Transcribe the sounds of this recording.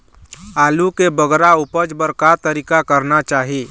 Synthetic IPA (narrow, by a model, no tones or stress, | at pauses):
aːlukebəɡɾaʊpəd͡ʒbəɾkat̪əɾiːkakəɾnat͡ʃaːɦi